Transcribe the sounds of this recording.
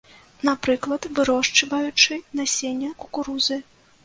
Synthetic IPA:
napɾɨklˠɐt̪vɨɾɔʂt͡ʂɐvɐjut͡ʂɨnasʲenʲːɐkukuɾuzɨ

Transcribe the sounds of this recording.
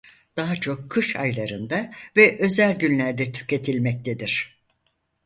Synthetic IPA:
d̪̥aɦat͡ʃʰo̞kʰːɯʃa̰jlˠaɾɯnd̪avɛʔø̞zælʲɟynlʲæɾd̪ɛt̪ʰy̥ce̞t̪ʰilʲmɛc̚t̪ʰed̪iɾ̥

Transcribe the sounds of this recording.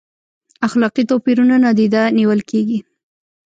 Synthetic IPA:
axlɑqit̪opiɾunanɑd̪id̪aniwəlkeɡi

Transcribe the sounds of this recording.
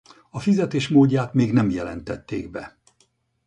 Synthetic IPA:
ɒfizɛt̪eːʃmoːɟːaːt̪meːɡnɛmjɛlɛ̰nt̪ɛt̪ːḛːɡbɛ

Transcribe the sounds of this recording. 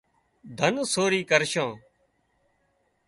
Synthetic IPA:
d̪ʱənsoːɾiːkəɾʃãː

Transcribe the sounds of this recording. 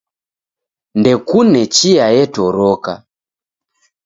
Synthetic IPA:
ndɛkunɛt͡ʃiajɛtɔɾɔka̰

